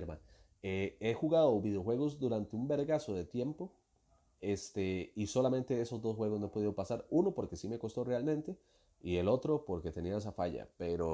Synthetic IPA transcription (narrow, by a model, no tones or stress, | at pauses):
eɾmã̰n | ee̞xuɣaðoβiðeo̞xwe̞ɣ̞o̞zd̪uɾant̪e̞umbe̞ɾɣaso̞ðe̞t̪je̞mpo̞ | e̞st̪eiso̞lamẽnt̪e̞eso̞zd̪o̞sxwe̞ɣo̞zno̞epo̞ðiðopasaɾuno̞po̞ɾke̞sime̞ko̞st̪o̞re̞almẽnt̪e̞ | ie̞lo̞t̪ɾo̞po̞ɾke̞t̪e̞niaes̬afaʝa̰pe̞ɾo